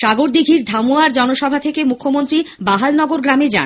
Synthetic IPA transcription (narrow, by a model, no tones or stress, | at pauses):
ʃaɡoɾd̪iɡʱiɾd̪ʱamuaɾd͡ʑɔnoʃɔbʱat̪ʰekemukʰːomont̪ɾibaɦalnɔɡoɾɡɾamed͡ʑa̰n